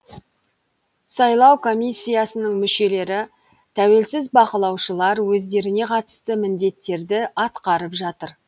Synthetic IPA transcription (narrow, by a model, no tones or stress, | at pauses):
sɑjlˠɑwkʰo̞mʲisʲːijasənəɴmʏʃe̞le̞ɾɪ | t̪ʰæwe̞lsɪzbɑqəlˠɑwʃəlˠɑɾwɵzd̪e̞ɾɪne̞qʰɑt̪ə̥st̪əmɪnd̪e̞t̪ːe̞ɾd̪ɪɑt̪qɑɾəpʒɑt̪əɾ